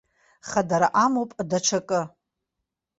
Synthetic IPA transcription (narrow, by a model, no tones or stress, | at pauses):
χadaɾaʔamowpʼdaʈ͡ʂʷʰakʼɨ